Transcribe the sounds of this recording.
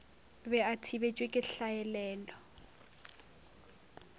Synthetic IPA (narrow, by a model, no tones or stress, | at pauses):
bɛatʰibet͡ʃʼwekʼɪɬaɛlɛːlɔ